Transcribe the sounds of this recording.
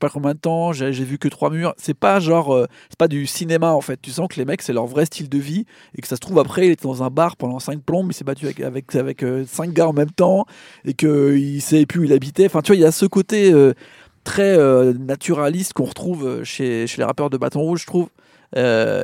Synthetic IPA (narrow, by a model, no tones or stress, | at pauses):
pakɔ̃mɛ̃t̪ɑ̃ʒaʒɛvykət̪χwamyʁsɛpaʒɑ̃ʁø | sɛ̥pad̪ysinemaɑ̃fɛt̪̚ːysɑ̃kəlemɛksɛlœʁvʁɛst̪ʰild̪əvi | ekə̥sasə̥t̪χuvapχɛilet̪ɛd̪ɑ̃zɛ̃baʁpɑ̃d̪ɑ̃sɛ̃k̚plɔ̃bilsɛbat̪yaɛka̰vɛkavɛkøsɛ̃k̚ɡaɑ̃mɛmt̪ɑ̃ | ekəilsaɛpyilabit̪ɛɑ̃fɛ̃t̪yvwailjasəkot̪eø | t̪χɛønat̪ʰyʁalist̪kɔ̃ʁət̪χuvø̰ʃeʃelḛʁa̰pœʁd̪əba̰t̪ɔ̃ʁuʒət̪χuv | ø̰